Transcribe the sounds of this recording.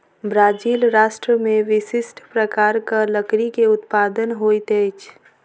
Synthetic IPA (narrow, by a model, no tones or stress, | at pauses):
bɾaːd͡ʒiːlɾaːʃʈɾəmẽʋɪsɪsʈʰpɾəkaːɾkaləkɾikeʊt̪paːd̪ənɦoːt̪eːt͡ʃʰ